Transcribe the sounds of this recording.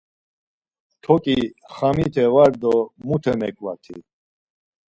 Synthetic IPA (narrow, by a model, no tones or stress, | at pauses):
t̪ʰɔkʼiχamit̪ʰɛvaɾd̪ɔmut̪ʰɛmɛ̰kʼwa̰t̪ʰḭ